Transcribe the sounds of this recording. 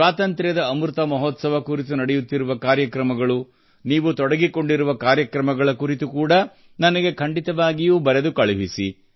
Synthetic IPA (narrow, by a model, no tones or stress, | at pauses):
aːt̪ɐnt̪ɾjɐd̪ɐːmuɾt̪ɐmɐɦɔt̪sɐʋɐkuɾit̪̬unɐɽɛjut̪ːiɾuʋɐkaːɾjɐkɾɐmɐɡɐɭu | niːʋut̪ɔɽɐɡiko̞ɳɖiɾuʋɐkaːɾjɐkɾɐmɐɡɐɭɐkuɾit̪ukuːɽɐ | nɐnɐɡe̞kʰɐɳɖit̪ɐʋaːɡijuːbɐɾed̪ukɐɭubisḭ